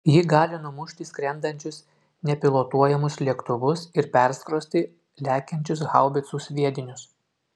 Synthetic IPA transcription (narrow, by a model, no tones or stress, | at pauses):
jɪɡɑːlʲɪnʊmʊʃʲt̪ʲiːsʲkɾʲɛnd̪ɐnʲt͡ʃʲʊs | nʲɛpʲɪlˠoːt̪uɔjɛmʊslʲiɛkt̪ʊʋʊsɪɾpʲɛɾskɾoːsʲt̪ʲɪ | lʲæːkʲɛnʲt͡ʃʲʊs̬ɣɑˑʊbʲɪt̪suːsʲʋʲiɛd̪ʲɪnʲʊs